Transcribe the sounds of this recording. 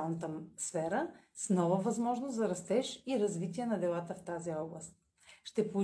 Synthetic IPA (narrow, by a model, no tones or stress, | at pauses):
nət̪əsfɛɾə | snɔvəvɐzmɔʒnʊszɐɾɐst̪ɛʃiɾɐzvit̪iɛnɐd̪ɛlˠat̪əft̪aziɔblˠəst̪̚ | ʃt̪ɛpou